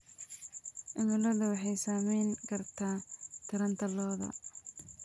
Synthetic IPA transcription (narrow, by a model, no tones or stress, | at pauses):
ʔɪmɪlɐðʊwɑħɑjsaːmɛjŋkʰɐrt̪ʰaːt̪ʰɪɾɐnt̪ʰɐlɔːðɐ̰